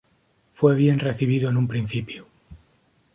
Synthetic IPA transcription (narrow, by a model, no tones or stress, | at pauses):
fweβ̞je̞nreθiβ̞iðoenumpɾĩnθipju